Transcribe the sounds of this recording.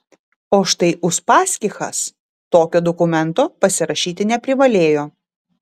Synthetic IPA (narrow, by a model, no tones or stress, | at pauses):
oːʃt̪ɐɪʔʊʃpɑːsʲkʲɪxɐ̰s | t̪oːkʲoːd̪ɔkʊmʲɛnt̪oːpɐsʲɪɾɐʃʲiːt̪ʲɪnʲɛpʲɾʲɪʋɐlʲeːjoː